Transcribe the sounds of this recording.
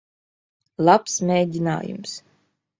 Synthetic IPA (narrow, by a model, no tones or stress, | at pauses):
lˠapsmʲeːd̪ʲina̰ːjṵms